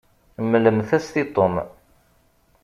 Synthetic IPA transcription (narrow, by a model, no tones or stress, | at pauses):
mːləmθæst̪it̪ˤom